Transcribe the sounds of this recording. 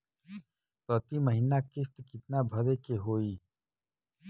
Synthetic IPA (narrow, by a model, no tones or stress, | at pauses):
pət̪iməɦinakɪst̪kɪt̪nabʱɐɾekeɦoːiː